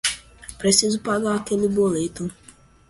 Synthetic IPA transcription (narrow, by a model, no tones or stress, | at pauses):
pɾesizʊpaɡaɾakelɪbolet̪ʊ